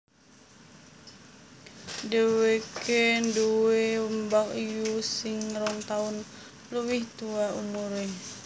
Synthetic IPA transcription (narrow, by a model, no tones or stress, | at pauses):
dəwekenduwewəmbakijusɪŋɾɔŋt̪aʊn | luwiht̪uaumuɾe